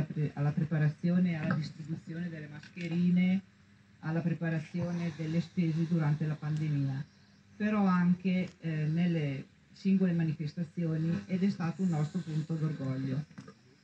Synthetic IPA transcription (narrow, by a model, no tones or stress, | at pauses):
alːapɾepaɾat̪sːjoːnealːad̪ist̪ɾibut̪sːjoːned̪elːemaskeɾiːne | alːapɾepaɾat̪sːjoːned̪elːespeːzed̪uɾant̪elapand̪emiːa | peɾɔaŋkenelːe | siŋɡolemanifest̪at̪sːjoːniɛd̪ɛst̪aːt̪ounːɔst̪ɾopunt̪od̪orɡɔʎːo